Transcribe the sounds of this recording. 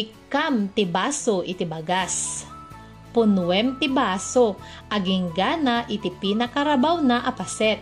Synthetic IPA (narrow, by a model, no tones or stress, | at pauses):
ɪkamt̪ɪbaːsoʔɪt̪ɪbɐɡas | pʊnwɛmt̪ɪbaːso | ʔɐɡɪŋɡanaʔɪt̪ɪpinɐkɐɾɐbawnaʔɐpɐsɛt̪̚